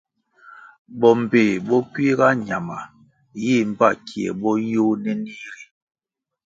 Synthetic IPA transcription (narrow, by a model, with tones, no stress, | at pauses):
bɔ˨m̩˨be˨bɔ˦pɥi˦ɣa˦ɲa˨ma˨ | ji˦˨m̩˦˨ba˦˨kʰi˨ɛ̰˨bɔ˦jo˦nɛ˦ni˦ɾi˨